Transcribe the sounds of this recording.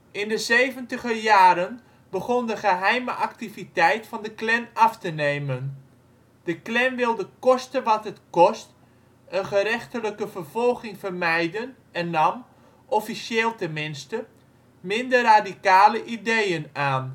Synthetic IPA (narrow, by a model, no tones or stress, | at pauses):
ɪndəzeːvəntəɣəjaːɾən | bəχɔndəχəɦɛjməʔak̚tivitɛjtfɑndəklɛnɑftəneːmən | d̥əklɛnʋɪlˠdəkɔstənʋɑtɦətkɔst | ənχəɾɛxtələkəvərv̥ɔlˠɣɪŋfərmɛjdən | ɛnːɑm | ʔɔfisjeːlˠtəmɪnstə | mɪndərraːdikaːləʔidejənaːn